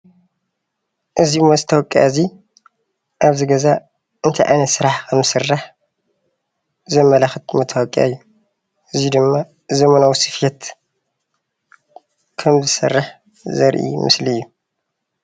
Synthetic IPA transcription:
ʔɨzimːozɨt̪ʰɐwɔkʼːjazi | ʔaβzɨɡɐza | ʔɨnt̪ʰɐjʔa̰nɐsɨɾaħkʰɐmɨsɨrːaħ | zɐmːɐlaxɨt̪mɐt̪ʰːɐwɔkʼja̰jːu | ʔɨzid̪ɨmːa | ɨzɐmɐnawsɨfjɛt̪ | kʰɐmzɨsɐ̰rːaħ | zɐɾʔḭmɨ̰sliɨjːu

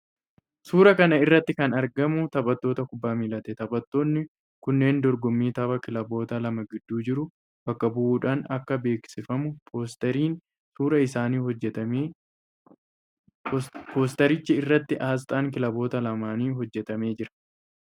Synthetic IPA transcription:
suːɾɐkɐnɐɪrːɐt̪ːɪkɐnɐɾɡɐmʊt̪ɐbʼɐt̪ːo̞ːt̪ɐkʊbːaːmiːlɐt̪ɛt̪ɐbɐt̪ːo̞ːnːɪ | kʊnːe̞ːnd̪ɔɾɡɔmːiːt̪ɐbɐkɪlɐbo̞ːt̪ɐlɐmɐɡɪd̪ːuːd͡ʒɪɾʊ | b̥ɐkːɐbʊʔuːᶑaːnɐkːɐbe̞ːksɪfɐmʊt̪ɾiːn | suːɾɐɪsaːniːhɔɐ | po̞ːs̬t̪ɐɾɪt͡ʃːɪɪrːɐt̪ːɪʔaːs̬t̪ʼaːŋk̬ɪlɐbo̞ːt̪ɐlɐmaːniːɦɔd͡ʒːɛt̪ɐme̞ːd͡ʒɪɾɐ̥

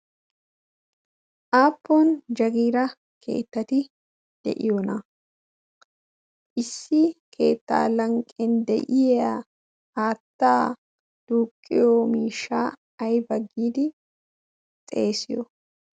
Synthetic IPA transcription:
ʔaːpːoːnd͡ʒɐɡiːɾɐ | kʰe̞̰ːt̪ːɐt̪ɪ | d̪̥ɛ̰ʔɪjɔnɐ | ʔɪsːɪkʰe̞̰ːt̪ːa̰ːlɐŋkʼɛnd̪ɛ̰ʔɪjɐ | aːt̪ːaː | d̪̥uːkʼːɪjoːmiːʃaː | ɐjbɐɡːiːd̪ɪ | t̪ʼeːsɪjɔ

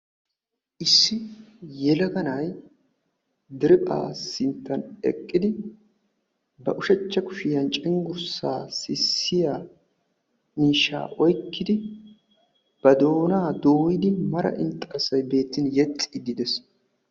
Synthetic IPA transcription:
ʔɪsːɪjɛlɐɡɐnɐj | d̪ɪɾɪpʼa̰ːsɪnt̪ːɐnɛ̰kʼːɪd̪ɪ | bɐʔʊʃɛt͡ʃːɐkʊʃɪjɐnt͡ʃʼɪŋɡʊɾsaːsɪsːɪjaː | miːʃːa̰ːʔɔjkːɪd̪ɪ | b̥ɐd̪o̞ːnaːd̪oːwɪd̪ɪmɐɾɐ̰ʔɪnt̪ʼːɐːsɐjbe̞ːt̪ːɪnjɛt͡sʼːɪd̪ɪd̪ɛs

